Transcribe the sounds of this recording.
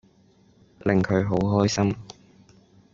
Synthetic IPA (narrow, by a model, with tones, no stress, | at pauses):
lɪ˨ŋkʰɵ˨˧ɥɦo˨˥wɦɔː˥jsɐ˥m